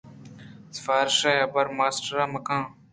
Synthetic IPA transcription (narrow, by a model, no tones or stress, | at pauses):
sɪ̥faːɾɪʃaːjɐbəɾmaːsʈɾaːməkãː